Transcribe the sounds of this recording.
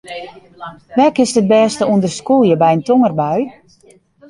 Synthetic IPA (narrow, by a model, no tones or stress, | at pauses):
ʋɛkɪsət̚bɛːstəundərskulˠjəbɛjəntoŋərbœɥ